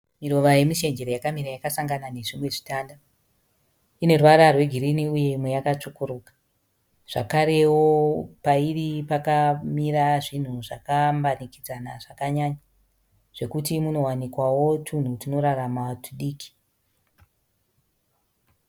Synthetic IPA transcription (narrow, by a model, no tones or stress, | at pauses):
miɾo̞ʋaje̞miʃe̞ɲd͡ʒe̞ɾojakamiɾajakasaŋɡanane̞ʐimwe̞ʐitaːnda | ine̞rwaɾarwe̞ɡʱiɾiniuje̞mwejakat͡ʂokoɾoːkḁ | ʐ̥a̰kaɾe̞wopairipakamiraʐin̤uʐakambanikid͡zanaʐakaɲaɲa | ʐ̥e̞kutimuno̞wanikwawo̞tun̤utino̞ɾaramatuɗiːki̥